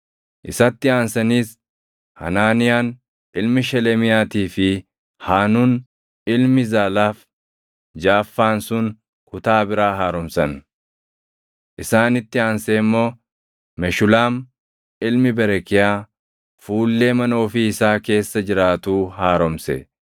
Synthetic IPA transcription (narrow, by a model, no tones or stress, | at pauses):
ʔɪsɐt̪ːɪaːnsɐniːs | hɐ̰naːnɪjaːn | ʔɪlmɪʃɛlɛmɪjaːt̪iːfɪ | haːnuːn | ɪlmɪzaːlaːf | d͡ʒaːfːaːnsʊŋ | kʊt̪aːbɪɾaːɦaːɾɔmsɐn | ʔɪsaːnɪt̪ːɪaːnseːmːo̞ː | mɛʃʊlaːm | ɪlmɪbɛɾɛkɪjaː | fuːlːe̞ːmɐno̞ːfɪɪsaːke̞ːsːɐd͡ʒɪɾaːt̪uːhaːɾɔmsɛ̰